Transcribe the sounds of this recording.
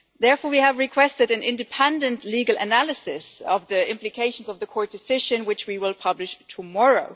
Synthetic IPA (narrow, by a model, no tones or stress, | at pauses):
ðɛɹfɔːɹwiəvɹɨkʰw̥ɛstɨɾɨ̃nɪ̃ndɨpʰɛ̃ndɨ̃ntliɡl̩ˠə̰nælˠɨsɪsʌvðiɪ̃mplɨkʰeɪʃn̩zʌvðəkʰɔɹt̚d̥ɨsɪʒɨ̃nwɨt͡ʃwiwɪlˠpʰʌblɨʃtʰəmɔɹoʊ